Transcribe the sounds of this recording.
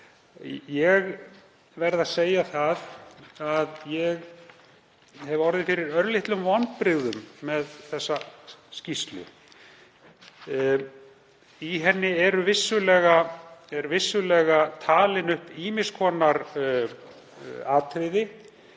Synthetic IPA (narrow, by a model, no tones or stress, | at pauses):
jɛɣ | vɛɾðaðseːjaθaðaðjɛɣ | hɛvɔɾðɪnfɪɾɪɾœɾlɪht̪lʏmvɔnpɾɪɣðʏmːɛðθɛsːascist̪lʏ̰ | iɦɛnːɪɛɾʏvɪsːʏlɛːɣaɛɾvɪsːʏlɛɣat̪ʰaːlɪnʏhpiːmɪ̥skʰɔːnaɾ | aːt̪ʰɾɪðɪ